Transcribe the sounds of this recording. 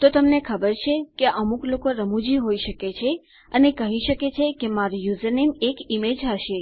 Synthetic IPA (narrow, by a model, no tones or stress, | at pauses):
t̪ot̪əmnekʰəbəɾt͡ʃʰekeʔəmuklokoɾəmud͡ʒiɦoiʃəket͡ʃʰe | ənekəɦiʃəket͡ʃʰekemaɾjuzənemekimed͡ʒɦaʃe